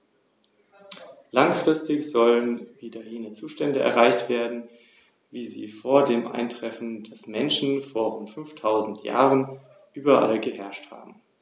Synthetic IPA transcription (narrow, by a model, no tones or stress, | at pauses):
laŋfʁ̥ɪstɪçz̥ɔlənviːdɐjeːnət͡suːʃtɛndəɛ̰ɐʁaɪçtv̥eːɐdn̩ | viːzḭːfoːɐdeːmʔa̰ɪntʁ̥ɛfn̩d̥asmɛnʃn̩foːɐʁʊntfʏnftʰaʊzn̩tʰja̰ːʁən | ʔyːbɐʔa̰lɡəhɛɐʃtha̰ːbm̩